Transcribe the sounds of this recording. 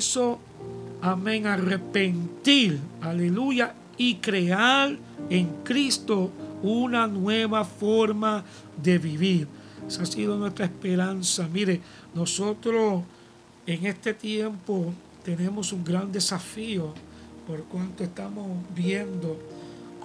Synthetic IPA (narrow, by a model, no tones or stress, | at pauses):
so̞ | ameŋare̞pe̞nt̪iɾale̞luʝa | ikɾe̞aɾ | e̞ŋkɾist̪ounanwe̞βafo̞ɾma | ðe̞βiβiɾesasiðo̞nwe̞st̪ɾaehspe̞ɾansamiɾe̞ | no̞so̞t̪ɾo̞s | e̞ŋe̞st̪e̞t̪je̞mpo̞ | t̪e̞nẽ̞mo̞suŋɡɾand̪e̞safio | po̞ɾkwant̪oest̪amosbje̞nd̪o